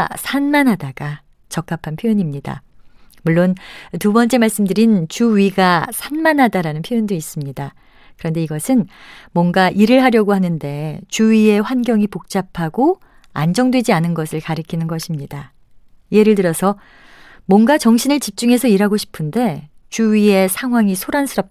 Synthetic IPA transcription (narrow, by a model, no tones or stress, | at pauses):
sʰanmanɦadaɡ̥a | t͡ɕʌk͈apʰanpʰjojoɲimɲida̰ | muɭːontubʌnt͡ɕ͈e̞maɭs͈ɯmdɯɾint͡ɕuɥiɡasʰanmanɦadaɾanɯnpʰjojondois͈ɯmɲida | kɯɾʌnde̞iɡʌsʰɯnmwʌŋɡaʔiɾɯɭɦaɾjʌɡoɦanɯnde̞t͡ɕuɥie̞ɸwanɡjʌŋipok̚t͡ɕ͈apʰaɡo | a̰nd͡ʑʌŋdwe̞d͡ʑianɯnɡʌsʰɯɭkaɾɯkʰinɯnɡʌɕʰimɲida | ie̞ɾɯɭtɯɾʌsʰʌ | mwʌnɡat͡ɕʌŋɕʰinɯɭt͡ɕip̚t͡ɕ͈uŋe̞sʰʌiɾɦaɡoɕʰi̥pʰɯnde̞ | t͡ɕuɥie̞sʰaŋɦwaŋisʰoɾansʰɯɾʌp̚